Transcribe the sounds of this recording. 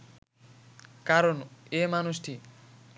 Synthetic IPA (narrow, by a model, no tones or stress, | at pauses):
kaɾɔnemanusʈʰi